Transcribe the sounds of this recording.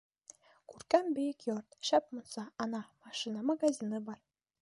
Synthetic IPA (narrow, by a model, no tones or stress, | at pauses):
kʉɾkæmbɘ̆jɘkjort̪ʃæp̚mŭnsɑɑnɑmɑʃinɑmɑɡɑzʲinɤbɑr